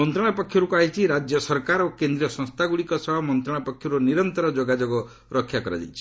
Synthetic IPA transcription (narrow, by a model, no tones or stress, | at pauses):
ɔnt̪ɾɔɽ̃apɔkʰːjɔɾukuaɦit͡ʃʰiɾad͡ʒjɔsɔɾkaɾokend̪ɾiɔsɔ̃st̪ʰaɡuɽikɔsɔbʱɔmɔnt̪ɾɔ̃apɔkʰjɔɾuniɾɔnt̪ɔɾɔd͡ʒoɡad͡ʒoɡɔ | ɾɔkʰːjakɔɾa̰d͡ʒa̰jt͡ʃʰi̥